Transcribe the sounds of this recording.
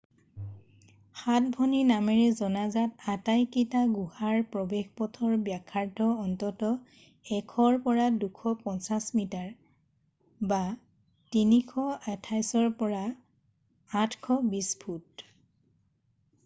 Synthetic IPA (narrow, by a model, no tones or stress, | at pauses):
xat̚bʱɔninamɛɹɛzɔnazatatajkitaɡuhaɹpɹɔbexpɔtʰɔɹbjakʰːaɹdʱɔɔntɔtɔ | ɛkʰɔɹpɔɹadukʰɔpɔnsasmitaɹ | ba | tinikʰɔɛtʰajsɔɹpɔɹaː | tʰkʰɔbispʰut̚